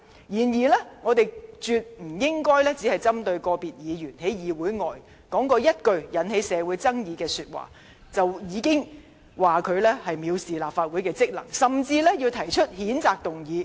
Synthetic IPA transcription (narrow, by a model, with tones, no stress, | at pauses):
jiː˨˩njiː˨˩lɛ˥ŋɔː˨˧t̪e˨jt͡ʃyː˨t̚m̩˨˩jɪ˥ŋkɔː˥jlɛː˥t͡si˨˥hɐ˨jt͡sɐ˥mt̪ɵ˧ɥkɔː˧piː˨t̚jiː˨˧jyː˨˩nhe˨˥jjiː˨˧wuː˨˥jŋɔː˨j | kɔː˨˥ŋkɔː˧jɐ˥t̚kɵ˧ɥjɐ˨˥nhe˨˥jsɛː˨˧wu˨˥jt͡sɐ˥ŋjiː˨˧kɛː˧syː˧t̚wa̰ː˨˩ | t͡sɐ˨wjiː˨˧kɪ˥ŋ | waː˨kʰɵ˨˧ɥlɛː˥hɐ˨jmiː˨˧wsiː˨laː˨p̚faː˧t̚wuː˨˥jkɛː˧t͡sɪ˥k̚lɐ̰˨˩ŋsɐ˨mt͡siː˧lɛː˥ji˧wt̪ʰɐ˨˩jt͡ʃʰɵ˥t̚hiː˨˥nt͡saː˨k̚t̪ʊ˨ŋjiː˨˧